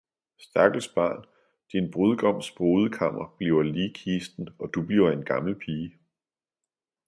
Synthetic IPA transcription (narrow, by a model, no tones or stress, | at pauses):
sd̥ɑ̈ɡ̥l̩sb̥ɶ̰̈ːn | d̥inb̥ʁoðˠɡ̥ɒ̽m̰sb̥ʁoːð̞ˠəkʰɑ̈m̰ɐb̥liʊɐliːkʰiːsd̥n̩ɒ̽d̥ub̥liʊɐe̝nɡ̥ɑ̈ml̩pʰiːə